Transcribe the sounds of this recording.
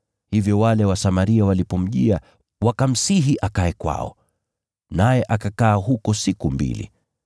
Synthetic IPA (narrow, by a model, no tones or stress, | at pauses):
hivjɔwalɛwasamaɾiawalipɔm̩ʄia | wakam̩siɦiʔakaɛkwa̰ɔ̰ | najɛʔakakaːɦukɔsikumbḭlḭ